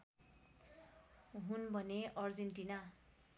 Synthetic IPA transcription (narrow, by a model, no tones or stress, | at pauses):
ɦunbʱʌneʔʌrd͡zenʈina